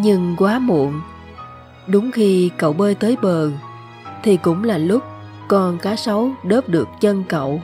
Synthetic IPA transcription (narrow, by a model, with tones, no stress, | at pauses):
ɲɨ˧ŋkwaː˨˦mṵ˧˨ən | ɗʊ˨˦ŋ͡mxi˧kə̰˧˨wɓəː˧jt̪əː˨˦jɓəː˨˩ | t̪ʰi˨˩kʊ̰˧˥ŋ͡mlaː˨˩lʊ˦˥k͡p̚ | kɔ˨˩nkaː˨˦sə˨˦wɗəː˦˥p̚ɗɨ˨˩ək̚t͡ɕə˧nkə̰˧˨w